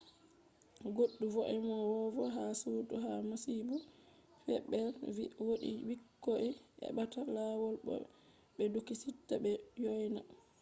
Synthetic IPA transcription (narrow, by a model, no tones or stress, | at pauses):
ɡoɗːuvɔʔɛmɔwɔvɔɦasutuɦamasibu | fɛɓːɛlwoɗḭwikːɔʔɛʔɛ̰ɓatalawɔlɓɔ̰ | ɓɛdukisitːabɛjɔjna̰